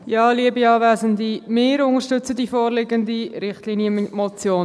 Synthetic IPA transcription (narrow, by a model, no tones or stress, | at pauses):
jɑːliəbiɑːvæːzəndimɪːɾʊŋəɾʃtʏt͡sədifɔːɾlɪɡəndiɾɪχtlinjəmot͡sjoːn